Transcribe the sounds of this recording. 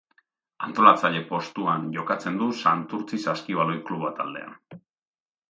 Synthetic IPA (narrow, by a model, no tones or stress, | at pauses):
ant̪o̞lat͡saʎe̞po̞st̪uanʝo̞kat͡se̞nd̪usant̪uɾt͡sisaskiβalo̞jkluβat̪ald̪e̞̰a̰n